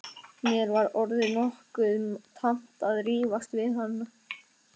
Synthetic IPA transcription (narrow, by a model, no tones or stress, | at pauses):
mjɛɾvaɾɔɾðɪnɔhkʏmt̪ʰam̥t̪aðriːvast̪vɪðɦanːa